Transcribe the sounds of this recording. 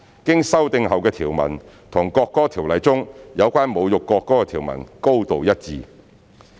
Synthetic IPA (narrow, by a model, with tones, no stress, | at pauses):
kɪ˥ŋsɐ˥wt̪ɪ˧ŋɦɐ˨wkɛː˧t̪ʰiː˨˩wmɐ̰˨˩n | t̪ʰʊ˨˩ŋkɔː˧kːɔː˥t̪ʰiː˨˩wlɐ˨˥jt͡sʊ˥ŋjɐ˨˧wkʷaː˥nmo˨˧wjʊ˨kːɔː˧kːɔː˥kɛ˧t̪ʰiː˨˩wmɐ̰˨˩nko˥wt̪o˨wjɐ˥t̚t͡siː˨˧